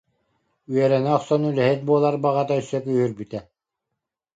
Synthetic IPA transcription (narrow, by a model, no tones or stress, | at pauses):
yɛɾɛnɛɔχsɔnylɛɦit̪̚buɔlˠaɾbaʁat̪aysːœkyhyɾbyt̪ɛ